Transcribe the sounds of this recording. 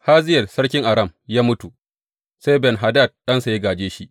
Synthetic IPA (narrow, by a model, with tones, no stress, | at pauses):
haː˦zɪ˦jɐ˨sɐ˦ɽkʲɪ˦ŋʔa˨ɾɐ˦˨mjaː˦mʊ˦tu˨ | sa˦jbɛ˨nɦa˨da˦˨d̚ɗɐ˦nsa˨ji˦ɡaː˨d͡ʒeː˦ʃi˦ʔ